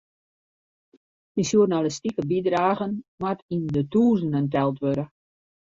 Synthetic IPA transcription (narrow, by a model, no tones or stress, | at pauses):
dinsjurnaləstikəbidraːɣənmatʰindətuːzən̩əntɛlˠtʋøɾə